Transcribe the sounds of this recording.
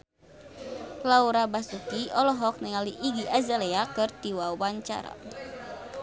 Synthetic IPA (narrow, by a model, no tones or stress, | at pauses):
lauɾabasut̪iɔlɔɦɔk̚niŋaliʔiɡiʔazaleakɨrt̪iwawaɲt͡ʃa̰ɾa̰